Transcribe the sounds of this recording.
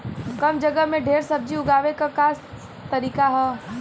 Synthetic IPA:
kɐmd͡ʒəɡəmẽɖʱeːɾsɐb̚d͡ʒiʊɡaːʋekakaːs | t̪ɐɾiːkaɦɛ

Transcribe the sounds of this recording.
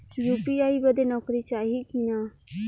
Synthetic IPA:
juːpiaːibəd̪enɔːkɾit͡ʃaːɦikinaː

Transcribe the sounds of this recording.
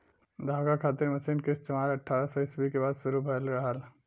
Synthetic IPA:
d̪ʱaɡakʰat̪iɾməsinkest̪ʰemaɾəʈʰːaɾasəisbʱikebaːd̪suɾubʱəlɾɐɦal

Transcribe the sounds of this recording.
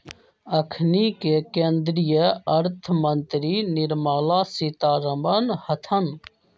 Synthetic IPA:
əkʰnikekẽːnd̪ɾijəɐɾt̪ʰmənt̪ɾinɪɾmaːlaːsiːt̪aːɾəmənhət̪ʰən

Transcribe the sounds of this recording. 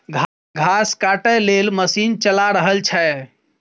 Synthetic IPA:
ɡʱ | ɡʱaskaʈəlelməsint͡ʃəlaɾəɦəlt͡ʃʰɛ

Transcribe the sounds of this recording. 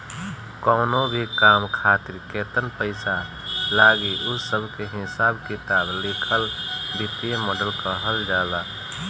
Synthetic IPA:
kɔːnobʱikaːmkʰaːt̪ɪɾkeːt̪ənpəɪsa | laːɡiʔʊsːəbʱkeɦɪsaːbkɪt̪aːblikʰəlb̪ɪt̪imɔːɖəlkaɦəld͡ʒaːd̪a

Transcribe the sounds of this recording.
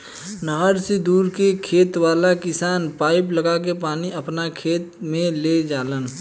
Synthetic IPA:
nəɦəɾsed̪uːɾkekʰeːt̪waːlakɪsaːnpaːɪpləɡak̬epaːniʔɐpnakʰeːt̪mẽled͡ʒaːlən

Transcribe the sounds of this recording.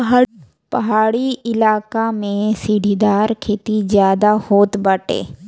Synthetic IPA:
pɐɦaːɽiɪlaːkamẽsiɖʱid̪aːɾkʰeːt̪izjaːd̪ahoːt̪bəʈḛː

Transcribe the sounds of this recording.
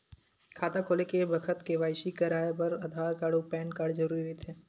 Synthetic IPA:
kʰaːt̪akʰoːlekebɐkʰət̪keʋaːɪʃikɐɾaːepɐɾɐd̪ʱaːɾkaːɽopɛ̃ːnkaːɽd͡ʒɐɾuːɾiɦoet̪ʰeː

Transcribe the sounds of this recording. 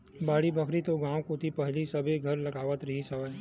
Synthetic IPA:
baːɽibɐkʰɾit̪oɡãːwkot̪ʰipɛɦlisɐbʱeɡʱɐɾlɐɡaːʋət̪ɾɐɦisɐʋəj

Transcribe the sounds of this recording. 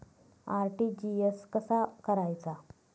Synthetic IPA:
aɾʈid͡ʑieskəsakəɾajt͡sa

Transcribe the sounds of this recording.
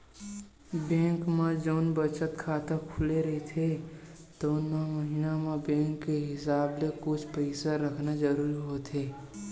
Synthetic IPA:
bẽːŋkmãd͡ʒoːnbət͡ʃət̪kʰaːt̪əkʰʊleɾɐɦet̪ʰet̪oːnmaməɦinamẽbɛ̃ːŋkːeɦɪsaːblekʊt͡ʃʰpəɪsaɾəkʰnazəɾuːɾiɦot̪ɦeː

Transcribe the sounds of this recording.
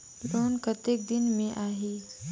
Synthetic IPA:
loːnkət̪eːk̚d̪ɪnmẽʔaːɦiː

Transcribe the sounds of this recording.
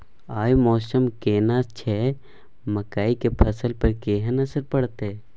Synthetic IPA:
aːjmɔːsəmkeːnaːst͡ʃʰɛː | məkaːikepʰɐsəlpɐɾkeːɦənɐsəɾpəɽt̪eː

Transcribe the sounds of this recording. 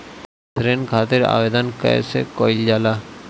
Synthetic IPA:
sɾenkʰat̪eɾa̰bed̪ɔnka̰jḛsekojld͡ʑala

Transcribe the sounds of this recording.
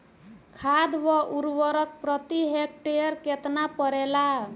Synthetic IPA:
kʰad̪ʋɔʔuɾwəɾək̚pɾət̪iɦek̚ʈejɾket̪napəɾela

